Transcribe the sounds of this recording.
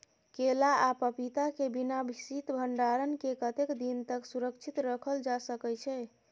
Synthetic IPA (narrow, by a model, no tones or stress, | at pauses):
kelaapəpit̪akebinabʱisit̪bʱəɳɖaɾənkekət̪ekd̪int̪əksuɾəkt͡ʃʰit̪ɾəkʰəld͡ʒasəkɛt͡ʃʰɛ